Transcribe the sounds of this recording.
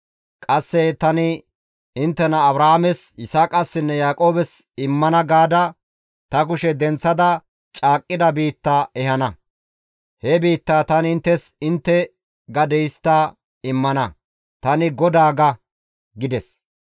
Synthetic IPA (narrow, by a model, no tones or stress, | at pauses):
kʼɐsːɛt̪ɐnɪ | ɪnt̪ːɛnɐːbɾaːamɛsɪsaːkʼɐsːɪnːɛjaːkʼo̞ːbɛs | ɪmːɐnɐɡaːd̪ɐ | t̪ɐkʊʃɛd̪ɛnt͡sːɐd̪ɐ | t͡ʃʼaːkʼːɪd̪ɐbiːt̪ːaɛhɐnɐ | hɛbiːt̪ːaːt̪ɐnɪnt̪ːɛsɪnt̪ːɛ | ɡɐd̪ɛjst̪ːɐ | ɪmːɐnɐ | t̪ɐnɪɡɔd̪aːɡɐ | ɡɪd̪ɛs